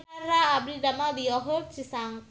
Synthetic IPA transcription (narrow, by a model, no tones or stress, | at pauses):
aɾaːbɾidamad̪iɔɦɔrt͡ʃisaŋ